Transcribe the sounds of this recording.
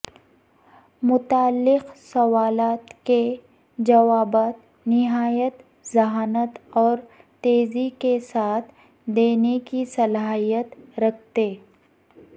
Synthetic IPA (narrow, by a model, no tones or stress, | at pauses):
mʊt̪aːlːɪqsɐwaːlaːt̪ke | d͡ʒɐʋaːbaːt̪ | nɪɦaːjət̪ | zɐɦaːnət̪ɔːɾ | t̪eːzikesaːt̪ʰ | d̪eːnekisɐlaːɦijət̪ɾɐk̚ʰt̪eː